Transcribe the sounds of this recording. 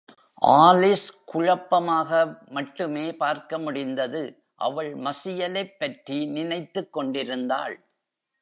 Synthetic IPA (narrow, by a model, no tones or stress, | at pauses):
ʔaːlɪskʊɻɐpːɐmaːɣɐmɐʈːɯmeːpaːɾkɐmʊɽɪnd̪ɐðɯ | ʔɐ̰ʋɐɭmɐsɪjɐlɐɪpːɐʈrinɪnɐɪt̪ːɯkːɔɳɖɪɾɯnd̪a̰ːɭ